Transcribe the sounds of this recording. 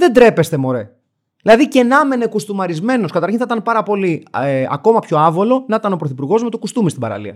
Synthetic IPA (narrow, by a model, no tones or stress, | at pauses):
ðe̞nd̪ɾe̞pe̞st̪e̞mo̞ɾe | ðilɐðice̞nɐme̞ne̞kust̪umɐɾizme̞no̞skɐt̪ɐɾçinθɐit̪ɐnpɐɾɐpo̞liɐ̰ko̞mɐpço̞ɐvo̞lo̞nɐit̪ɐno̞pɾoθipuɾɣo̞zme̞t̪o̞kust̪umist̪ibɐ̰ɾɐ̰lḭɐ̰